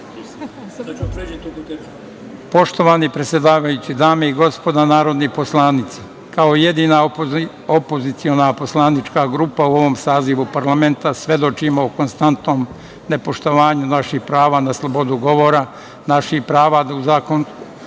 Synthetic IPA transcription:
po̞ʃt̪o̞ʋanipɾet̪sʲje̞d̪aːʋajut͡ɕid̪aːmeiɡo̞spo̞d̪anaːɾo̞d̪nipo̞slˠaːnit̪se | kaoje̞d̪iːna | opozit̪sio̞napo̞slˠaːnit͡ʃkaɡɾuːpauo̞ʋo̞msaːziʋupaɾlame̞nt̪asʋe̞d̪o̞t͡ʃimoːko̞nst̪ant̪no̞ːm | ne̞po̞ʃt̪o̞ʋaːɲunaʃixpɾaːʋaːnaslˠo̞bo̞d̪uɡo̞ʋo̞ːɾa | naʃihpɾaːʋad̪auzaːkon

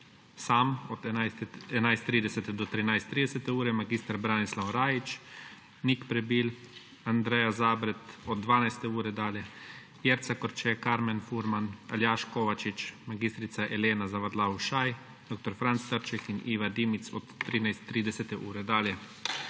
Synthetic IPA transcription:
saːmɔd̪ɛnajst̪ːɾiːd̪ɛsɛt̪ɛd̪ɔt̪ɾinajst̪ːɾiːd̪ɛsɛt̪ɛuːɾɛmaɡiːst̪aɾbɾaːnislawɾaːjit͡ʃ | nikpɾɛbil | and̪ɾɛjazaːbɾɛt̪ɔd̪̚d̪ʋaːnajst̪ɛuːɾɛd̪aːljɛ | jeɾt̪sakɔɾt͡ʃɛkaɾmɛnfuɾmanaljaːʃkoːʋat͡ʃit͡ʃmaɡiːst̪ɾit̪saʔɛleːnazaʋaɾd̪lauʃaj | d̪̥ok̚t̪ɔɾfɾant̪st̪əɾt͡ʃɛkiniːʋad̪iːmit̪sɔt̪ːɾiːnajst̪ːɾiːd̪ɛsɛt̪ɛʔuːɾɛd̪aːljɛ

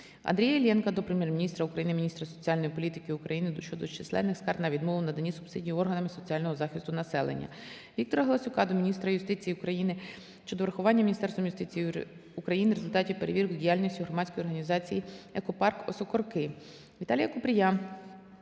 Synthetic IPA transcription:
ɐ̰nd̪ɾijɐelʲɛnkɐd̪ɔpɾemʲjɛrminʲist̪ɾɐukɾɐjinɪmʲinʲist̪ɾɐsɔ̥t͡sʲiɑlʲnɔjipɔlʲit̪ɪkɪʊkɾɐjinɪd̪ʃt͡ʃɔd̪ɔt͡ʃɪsˠɛ̰nːɪxskɑrd̪nɐʋʲid̪mɔʋɪwnɐd̪ɐnʲisʊpsidʲijɔrɦɐnɐmɪsɔt͡sʲiɑlʲnɔɦɔzɑxʲist̪ʊnɐsɛlˠḛnʲːɐ̰ | ʋʲik̚t̪ɔɾɐɦɐlˠɐsʲʊkɑd̪ɔmʲinʲist̪ɾɐjʊst̪ɪt͡sʲijiʊkɾɐjinɪ | ʃt͡ʃɔd̪ɔʋɾɐxʊʋɑnʲːɐmʲinʲist̪ɛrst̪ʋɔmjʊst̪ɪt͡sʲij | ukɾɐjinɪɾe̞zʊlʲt̪ɑtʲiwpeɾeʋʲirkʊdʲijalʲnʲɔsʲtʲiɦɾɔmɑtʲt͡sʲkɔjɔrɦɐnʲizɑt͡sʲijiɛkɔpɑrkɔsɔkɔrkɪ | ʋʲit̪ɑlʲijɐkʊpɾʲɪja

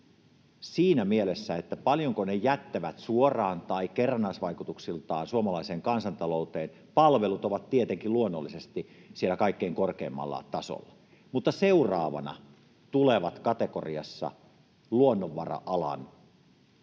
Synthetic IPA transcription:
siːnæmielesːæet̪ːæpɑljoŋkonejæt̪ːæʋæt̪suorɑːnt̪ɑikerɑnːɑsʋɑikut̪uksilt̪ɑːnsuomɑlɑiseːŋkɑnsɑnt̪ɑlout̪eːn | pɑlʋelut̪oʋɑt̪t̪iet̪eŋkiluonːolːisest̪isielækɑikːeiŋkorkeːmːɑ̰lːɑ̰t̪ɑso̰lːɑ | mut̪ːɑseurɑːʋɑ̰nɑ̰ | t̪uleʋɑt̪kɑt̪eko̰riɑsːɑ̰ | luonːoʋːɑrɑ̰ʔɑlɑ̰n

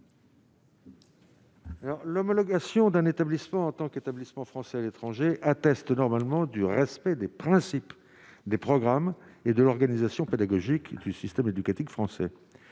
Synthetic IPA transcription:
alɔʁlɔmɔlɔɡasjɔ̃d̪ɛ̃net̪ablismɑ̃ːt̪ɑ̃ket̪ablismɑ̃fχɑ̃sɛalet̪χɑ̃ʒeʔat̪ɛst̪nɔʁmalmɑ̃d̪yʁɛspɛd̪epχɛ̃sip | d̪epχɔɡʁamed̪əlɔʁɡanizasjɔ̃ped̪aɡɔʒikd̪ysist̪ɛmed̪ykat̪ikfχɑ̃sɛ

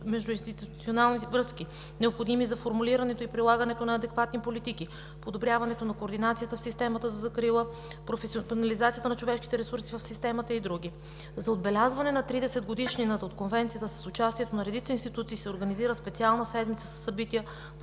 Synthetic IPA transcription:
mɛʒd̪ʊinst̪it̪uut̪sionalˠnivɾɤsk̟i | nɛopxod̪imizɐfoɾmuliɾɐnɛt̪oipɾilˠaɡɐnɛt̪onɐːd̪ɛkvat̪nipolit̪iki | pod̪obɾʲavɐnɛt̪onɐkoːɾd̪inat̪sijət̪əfsist̪ɛmɐt̪əzɐzɐkɾilˠə | pɾofɛsnɐlizat̪sijət̪ənɐt͡ʃovɛʃki̥t̪ɛɾɛsuɾsivɐfsist̪ɛmɐt̪əid̪ɾuɡʲi | zɐod̪̚bɛlʲazvɐnɛnɐt̪ɾid̪ɛsɛd̪̚ɡod̪iʃninət̪ot̪̚konvɛnt̪siət̪əsɐ̥sʊt͡ʃast̪ijɛt̪onɐɾɛd̪it̪səinst̪it̪ut̪siːsɛoɾɡɐniziɾəspɛt̪sialˠnəsɛd̪mit̪sə̥sə̥sːɐbit̪iə

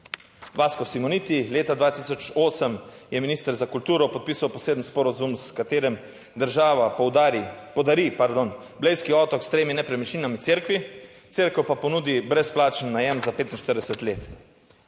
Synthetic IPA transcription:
ʋaːskɔsimɔniːt̪ileːt̪ad̪ʋaːt̪isɔt͡ʃoːsəmjɛminiːst̪əɾzakult̪uːɾɔpɔt̪̚pisawpɔseːd̪m̩spɔɾazumskat̪eːɾɛm | d̪əɾʒaːʋapwd̪aɾipɔd̪aɾipaɾd̪on | blejskiɔt̪ɔkst̪ɾeːminɛpɾɛmɛt͡ʃninamit̪seɾkʋi | t̪seɾkəwpapɔnuːd̪ibɾɛsplaːt͡ʃənːajɛmzapeːt̪inʃt̪əɾd̪ɛsɛt̪leːt̪

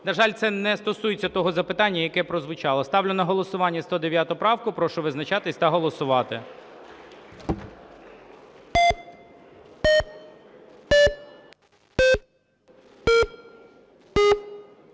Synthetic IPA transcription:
nɐʒɑlʲt̪sɛnɛst̪ɔsujet͡sʲːɐt̪ɔɦɔzɐpɪt̪ɑnʲːɐjɐkɛpɾɔzʋʊt͡ʃɑlˠɐst̪ɑwlʲɪnɐɦɔlˠɔsʊʋɑnʲːɐst̪ɔd̪eʋʲjat̪ʊpɾɑwkʊpɾɔʃʊʋɪznɐt͡ʃɑt̪ɪsʲt̪ɐɦɔlˠɔsʊʋɑt̪ɪ̰

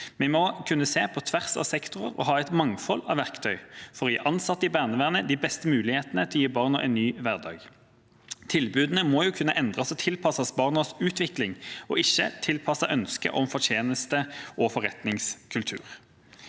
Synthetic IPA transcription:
mɛmɔkʰʉnːəseːpʰɔt̪ʰʋæʁsɑ̰ʋsɛkt̪ʊʁə̰ʁɔ̰ɦɑːɛɪt̪mɑŋfɔlːɑ̰ʋæʁkt̪ʰœʏfɔʁɔjḭːʔɑnsɑt̪ːəɪbæːʁnəʋæːʁnəd̪iːbɛst̪əmʉːlɪheːt̪ənət̪ʰɪljiːbɑːʁnɑʔɛ̰ɪnnːyːʋæʁd̪ɑ̰ːɡ | t̪ʰɪlbʉːd̪n̩əmoːjuːkʰʉnːəʔɛnd̪ʁɑsɔt̪ʰɪlpʰɑsɑsbɑʁnəsʉːt̪ʋɪklɪŋɔ̰ːɪçːə̰t̪ʰɪlpʰɑsɑʔœnskə̰ʔɔmfɔt̪ʰjeːnəst̪əʔɔfɔʁɛt̪nɪŋskʰʉlt̪ʰʉ̰ːʁ

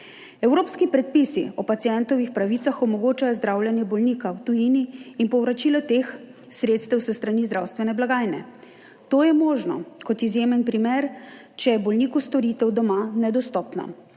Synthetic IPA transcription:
ɛwɾoːpskipɾɛt̪̚pisḭɔpat̪sijɛnt̪ɔwʋixpɾaʋit̪saxɔmɔɡoːt͡ʃajɔzd̪ɾaːwljɛnjɛbɔlnikawt̪ujiniːnpɔwɾat͡ʃiːlɔt̪eːx | sɾeːt̪st̪ɛwsɛst̪ɾaniːzd̪ɾawst̪ʋɛnɛblaɡaːjnɛ̰ | t̪oːjɛmoːʒnɔ̰kɔt̪izjeːmɛnpɾimeːɾ | t͡ʃɛjɛbɔlniːkust̪ɔɾiːt̪ɛwd̪ɔmanɛd̪ɔst̪ɔːpna̰

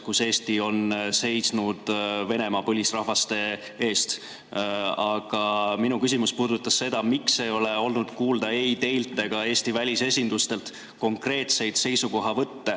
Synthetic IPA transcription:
kuse̞ːst̪io̞nse̞jsnud̪̥ve̞ne̞mɑpɤlʲisrɑhvɑst̪e̞ | e̞ːst̪ | ɑɡ̥ɑminukysimuspuːd̪ut̪ːˑɑsːe̞d̪̥ɑmikse̞jo̞le̞o̞lnud̪̥kuːld̪̥ɑeit̪e̞ilt̪ːˑe̞ɡ̥ɑe̞ːst̪ivælʲise̞s̬ʲind̪ust̪e̞lt̪ | ko̞ŋkre̞ːt̪se̞jd̪̥se̞jsuko̞ɦɑvɤt̪ːe̞

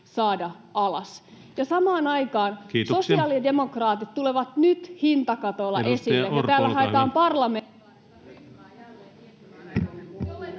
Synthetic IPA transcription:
sɑːdɑ | ɑlɑ̰s | jɑsɑmɑːnɑjkɑːnːso̞siɑːlide̞mo̞krɑːt̪it̪t̪uleʋɑt̪nyt̪hint̪ɑkɑt̪olːɑ̰ʔesillːejɑt̪æːlːæhɑet̪ɑːmpɑrlɑme

